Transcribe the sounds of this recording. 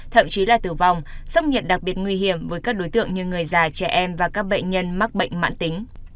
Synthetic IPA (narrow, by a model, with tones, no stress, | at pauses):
t̪ʰə̰˧˨mt͡ɕi˨˦laː˨˩t̪ɨ˧˩va˨˩wŋ͡msə˧wŋ͡mɲi˨˩t̚ɗa˨˩k̚ɓi˨˩ət̚ŋwi˧ɦi˧˩əmvəː˨˦jkaː˦˥k̚ɗo˨˦jt̪ɨ̰˧˨əŋɲɨ˧ŋɨ˨˩əjzaː˨˩t͡ɕɛ˧˩ʔɛ˧mvaː˨˩kaː˦˥k̚ɓə̰˧˨ŋ̟ɲə˧nma˦˥k̚ɓə̰˧˨jŋ̟ma̰ː˧˨nt̪ï˨˦ŋ̟